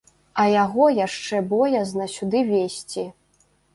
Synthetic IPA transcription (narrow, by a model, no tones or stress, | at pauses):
ɐjaɣɔjaʂt͡ʂɛbɔjɐznɐsʲud̪ɨvʲesʲt͡sʲi